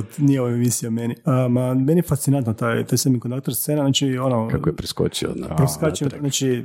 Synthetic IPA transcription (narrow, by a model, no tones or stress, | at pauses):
ot̪nijeoʋoemisijameniəmamenijefast̪sinant̪not̪ajt̪ajsemikond̪akt̪eɾst̪seneaznaːt͡ʃionokaojpɾisko̰t͡ʃio̰pɾiskat͡ʃimnat͡ʃi